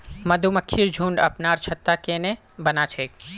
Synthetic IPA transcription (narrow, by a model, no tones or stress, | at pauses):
məd̪ʱuməkʰːiɾd͡ʒʱũɳɖə̰pnaɾt͡ʃʰət̪akene | bənat͡ʃʰe